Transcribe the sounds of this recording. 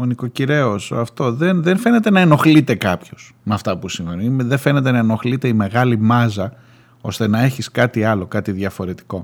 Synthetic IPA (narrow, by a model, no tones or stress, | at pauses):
oniko̞ciɾe̞oso̰ɐft̪o̞ðenðenfe̞ne̞t̪e̞nɐeno̞xlit̪e̞kɐpço̞s | mɐft̪ɐpusiɱvenuimðefe̞ne̞t̪e̞nɐeno̞xlit̪e̞ime̞ɣɐlimɐzɐ | o̞st̪e̞nɐe̞çiskɐt̪iɐlo̞kɐt̪iðʝɐfo̞ɾe̞t̪i̥ko̞